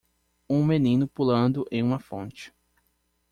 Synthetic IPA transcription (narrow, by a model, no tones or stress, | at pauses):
ũmenĩnʊpulɐ̃nd̪ʊʔẽj̃ũmɐfõ̰nt͡ʃɪ̥